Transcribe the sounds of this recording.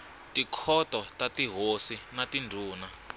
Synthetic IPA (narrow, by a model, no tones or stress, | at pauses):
tikʰɔtɔtatiɦosinatindʱuːna